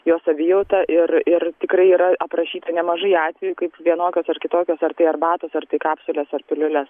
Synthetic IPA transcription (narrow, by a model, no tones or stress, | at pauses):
joːsɐbʲɪjɛʊt̪ɐʔɪrɪrt̪ʲɪkrɐɪiːɾɐʔɐpɾɐʃʲiːt̪ɐnʲɛmɐʒɐɪɑːt̪ʲʋʲɛjukɐɪpʋʲiɛnoːkʲoːsɐrkʲɪt̪oːkʲoːsɐrt̪ɐɪɐrbɑːt̪oːsɐrt̪ɐɪkɑːpsʲʊlʲɛsɐrpʲɪlʲʊlʲɛs